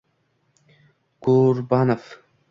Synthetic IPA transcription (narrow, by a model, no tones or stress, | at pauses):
kuːɾbaːnɐf